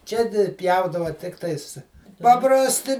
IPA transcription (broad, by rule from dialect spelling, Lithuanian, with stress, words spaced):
ˈt͡ʃʲɛ dʲɪ ˈpʲjɛʊdɐʋɐ ˈtʲɪktɐɪs pɐprɐsʲˈtʲɪ